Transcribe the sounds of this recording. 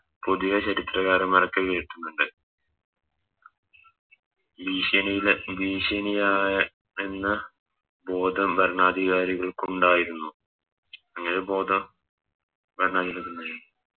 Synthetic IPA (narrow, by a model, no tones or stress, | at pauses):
po̞ðujɐt͡ɕɐɾit̪rɐɣaːɾɨmɐrɐkːɐʋeːiʈːunːuɳɖɨ | biːɕɐnɐjilbiːɕɐnijaːjɐ | enːɐ | bo̞ːd̪ʱɐmbɐɾɳaːd̪ʱiɣaːɾiɣɐɭkuɳɖaːjiɾunːu | ɐŋːɐnebo̞ːd̪ʱɐm | bʱɐɾɳaːd̪ilɐkːunːɐ